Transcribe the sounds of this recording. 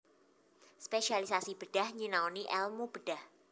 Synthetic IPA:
speʃialisasib̥əɖ̥ahɲinaoniʔɛlmub̥əɖ̥ah

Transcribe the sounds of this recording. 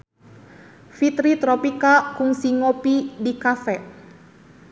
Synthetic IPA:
fit̪ɾit̪ɾɔpikakuŋsiŋopidikafɛʔ

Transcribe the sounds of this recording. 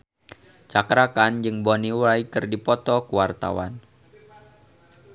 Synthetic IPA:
t͡ʃakɾakand͡ʒɨŋboniwaikɨrdipɔt̪ɔkuwart̪a̰wa̰n

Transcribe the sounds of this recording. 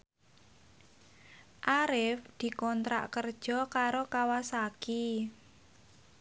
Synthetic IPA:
ʔaɾɪfd̪̥i̤kɔnt̪ɾa̰ʔkərd̥ʒ̥ɔ̤kaɾokawasaki

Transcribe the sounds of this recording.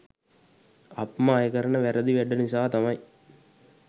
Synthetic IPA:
ɐpmaːjɐkɐɾɐɳɐʋɛɾɐðiʋɛɖɐnisaːt̪ɐmɐj

